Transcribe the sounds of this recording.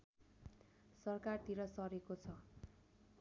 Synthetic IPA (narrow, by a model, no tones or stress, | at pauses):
sʌrkart̪iɾʌsʌɾekot͡sʰʌ